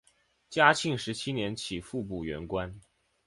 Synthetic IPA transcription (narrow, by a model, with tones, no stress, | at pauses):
t͡ɕja˥t͡ɕʰi˥˩ŋʂɻ̩˧˥t͡ɕʰi˥njɛ˧˥nt͡ɕʰi˨˩fu˥˧p̬u˥˩ɥɛ̰˧˥nkwa˥n